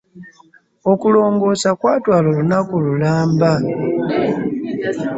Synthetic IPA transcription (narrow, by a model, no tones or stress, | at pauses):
okulo̞ːŋɡo̞sakwaːtwalolunakululaːmba